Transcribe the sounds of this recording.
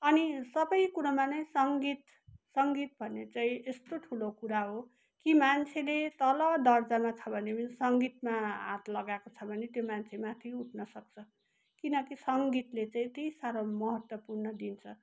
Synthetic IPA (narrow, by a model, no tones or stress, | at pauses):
ʌnisʌbʌjkuɾamanʌj̃sʌŋɡit̪ | sʌŋɡit̪̚bʱʌnet͡saĩest̪oʈʰulokuɾaɦo | kimant͡sʰelet̪ʌlʌd̪ʌrd͡zamat͡sʰʌbʱʌnesʌŋɡit̪maɦã̰t̪lʌɡakot͡sʰʌbʱʌnet̪jomant͡sʰemat̪ʰiuʈʰnʌsʌk̚t͡sʰʌ | kinʌkisʌŋɡit̪let͡saĩt̪ejsaɾʌmʌɦʌt̪wʌpurnʌd̪int͡sʰʌ